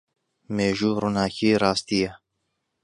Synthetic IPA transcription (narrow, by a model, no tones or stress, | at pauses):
meːʒuːɾunaːkiːɾɑːst̪ijɛ